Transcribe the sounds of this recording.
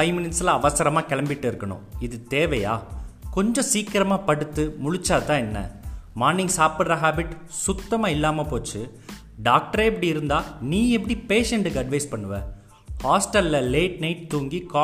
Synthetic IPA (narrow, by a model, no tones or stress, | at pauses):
ɐɪmɪnɪnsɪlɐɐʋɐsɐɾɐmaːkɛɭɐmbɪʈːɯɪɾɯkːɐɳʊ̰̃ɪðɯt̪eːʋɐja̰ːkɔɲd͡ʒɔ̃siːkɪɾɐmaːpɐɽɯt̪ːɯmʊɻɪt͡ʃːaːt̪ãːɛnːɐ̰maːɾnːɪŋɡsaːpɯɽɾɐɦaːbɪʈ | sʊt̪ːɐmaːɪlːaːmɐpoːt͡ʃːɯ | ɖaːk̚ʈɐɾeːɛpːɐɽiɪɾɯnd̪aːniːɛp̬ːɐɽipeːʂɛɳʈɯkːɯɐɖʋɐɪspɐɳːɯʋẽː | haːsʈɐlːɐleːʈ̚nɐɪʈt̪uːŋɡikaː